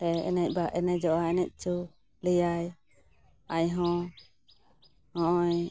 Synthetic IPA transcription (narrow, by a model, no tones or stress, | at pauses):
t̪ɛɛ̰nɛc̚ˀbaʔɛnɛd͡ʒɔʔaɛnɛc̚ˀt͡ʃu | ləjaj | ajɦɔ̃ | hɔ̃ɔj